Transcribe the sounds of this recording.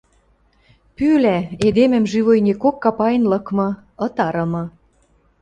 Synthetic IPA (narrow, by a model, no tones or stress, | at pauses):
pylæed̪emɘ̆mʒyβojnʲekokːɑpɑjnlɤ̆kmɤ̆ | ɤ̆t̪ɑɾɤ̆mɤ̆